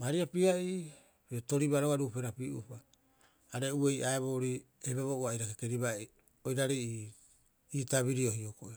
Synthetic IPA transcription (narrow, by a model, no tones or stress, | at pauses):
maɾiapiai | pioto̞ɾibaɾoaɾupe̞ɾapiʔṵpaː | ɾe̞uejʔaeβoɾi | ebeβouajɾakekeɾiβa | ojɾaɾi | itaβiɾio̞ɦiokoe